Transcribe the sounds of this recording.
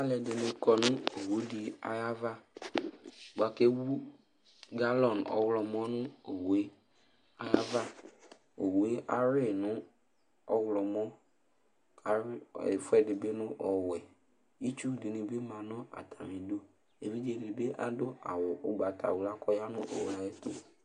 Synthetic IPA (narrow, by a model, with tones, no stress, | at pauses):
a˦lɛ˨dɪ˨nɪ˨kɔ˨nʊ̃˦o˨wu˦di˨a̰˨ja˦va˦˨ | ɡ͡ba˨ke˦wu˦ | ɡa˦lɔ˨nɔ̰˨˦wlɔ˨mɔ˦nʊ̃˦o˨we˦ | a˦ja˦va˦ | o˨we˦a˨ɾɪ˦˨nʊ̃˦ | ɔ˦wlɔ˨mɔ˦ | ka˨ɾfʊ˦ɛ˨dɪ˨bɪ˦nʊ̃˦ʔɔ˨wɛ˨ | i˦t͡ʃu˦di˨ni˨be˦mã˨nɔ̃˦a̰˨tʰa˨mi˨do˦ | e˨vi˦d͡ʒe˨dɪ˨be˦ʔa̰˨dʊ˦a̰˨wʊ˨ʔʊ˦ɡ͡ba˨ta̰˨wʊ˨la˦kɔ˦ja˦nʊ̃˦ʔo̰˨wla˨e˦t̪o˦